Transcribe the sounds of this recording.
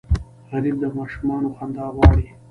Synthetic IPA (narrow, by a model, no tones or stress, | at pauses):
hɐɾib̚d̪əmɑːʃumɑːnoxand̪ɑːwɑːɽi